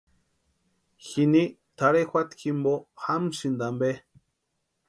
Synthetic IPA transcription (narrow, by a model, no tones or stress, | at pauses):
xinit̪aɾexʷat̪ximboxamsind̪ambe